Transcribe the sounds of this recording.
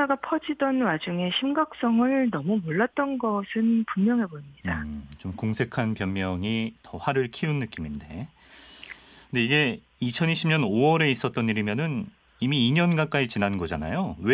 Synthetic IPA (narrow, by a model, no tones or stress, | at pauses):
aɡapʰʌd͡ʑidʌnwad͡ʑuŋe̞ɕʰimɡak̚s͈ʌŋɯɭnʌmumoɭːat̚t͈ʌnɡʌsʰɯnpunmjʌŋɦe̞boimɲidat͡ɕomkoŋsʰe̞kʰanpjʌnmjʌŋitʌɸaɾɯɭkʰiunːɯk͈iminde̞ | kʰɯndeiɡe̞ | it͡ɕʰʌniɕʰimɲʌnowʌɾe̞is͈ʌt̚t͈ʌniɾimjʌnɯn | imiːɲʌnɡak͈ait͡ɕinannɡʌd͡ʑana̰jowe